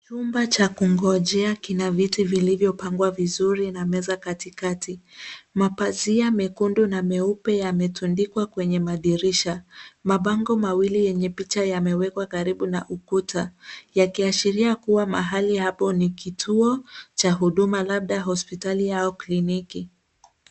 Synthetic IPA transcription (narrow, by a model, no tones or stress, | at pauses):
t͡ʃumbat͡ʃakuŋɡɔʄɛakinavitivilivjɔpaŋɡwavizuɾinamɛzakatikatimapaziamɛkundunamɛupɛjamɛtundikwakwɛɲɛmaɗiɾiʃamaɓaŋɡɔmawilijɛɲɛpit͡ʃajamɛwɛkwakaɾiɓunaʔukutʰajakiaʃiɾiakuwama̰ɦalihapɔnikitʰuɔt͡ʃaɦuɗumalaɓ̚ɗaɦɔspitalijaɔkliniki